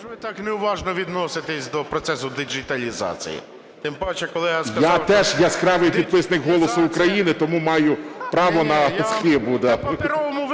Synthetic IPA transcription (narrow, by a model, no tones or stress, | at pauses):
ʋɪt̪ɑkneʊʋɑʒnɔʋʲid̪nɔsɪt̪ɪsʲd̪ɔpɾɔt̪sɛsʊd̪ɪd͡ʒɪt̪ɐlʲizɑ̰t͡sʲḭjḭ | t̪ɪmpɔt͡ʃɛkɔlˠɪjaskɐjawt̪ɛʒjaskɾɑʋɪjpʲid̪pɪsnɪkɦɔlˠɔsʊːkɾɐjinɪt̪ɔmumɑjʊpɾɑʋɔnɐsxɪbʊd̪aɔmʊ